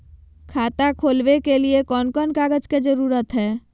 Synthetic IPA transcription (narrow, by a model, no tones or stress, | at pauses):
kʰaːt̪akʰoːlʋekeliekɔːnkɔːnkaːɡəd͡ʒked͡ʒəɾuːɾət̪ɦɛː